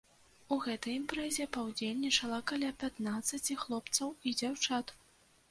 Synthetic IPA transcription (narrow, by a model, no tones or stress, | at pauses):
uɣɛt̪ɐjimpɾɛzʲɛpɐwd͡zʲelʲnʲit͡ʂɐlˠɐkalʲapʲat̪nat̪sːɐt͡sʲixlˠɔpt̪sɐwid͡zʲawt͡ʂat̪